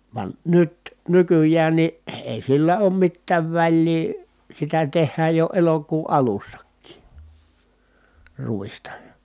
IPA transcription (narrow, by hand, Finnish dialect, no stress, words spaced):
ʋɑn nyt nykyjˑæːn ni eˑi silːæ oːm mitːæːʋ ʋælʲliː sitæ tehˑæːj jo elokuː ʔɑlusːɑkːiː ruistɑ